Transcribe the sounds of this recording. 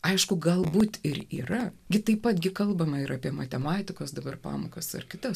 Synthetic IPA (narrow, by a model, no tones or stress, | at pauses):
ɐɪʃkʊɡɐlˠbuːt̪ɪɾḭːrɐɡʲɪt̪ɐɪpɐt̪ɡʲɪkɐlˠbɐmɐɪɾʔɑːpʲiɛmɐt̪ʲɛmɑːt̪ʲɪkoːsd̪ɐbɐrpɑ̰ːmoːkɐsɐ̰rkʲɪt̪ɐs